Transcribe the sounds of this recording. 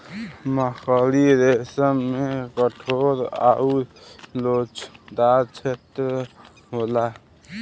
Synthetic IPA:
məkʰəliɾesəmːekəʈʰoɾa̰ulot͡ʃd̪aɾt͡ʃʰet̪ɾə | ɦola

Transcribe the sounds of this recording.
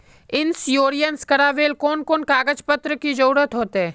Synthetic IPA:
ɪnsjoːɾijənskɐɾaːʋeːlkoːnkoːnkaːɡəd͡ʒpət̪ɾəkid͡ʒɐɾuːɾət̪ɦoːt̪ɛː

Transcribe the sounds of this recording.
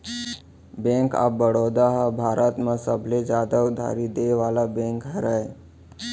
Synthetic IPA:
bẽŋka̰bəɽod̪aɦabʱaɾʔət̪mãsəbʱled͡ʒad̪aud̪ʱa̰ɾid̪eʋalabẽŋkɦəɾaj

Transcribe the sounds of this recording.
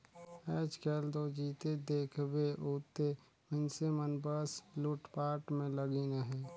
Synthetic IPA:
ɛːt͡ʃkeːld̪od͡ʒiːt̪ed̪eːkʰbeʔuːt̪e | mənsemənbəsluːʈpaːɾʈmẽləɡineɦɛː

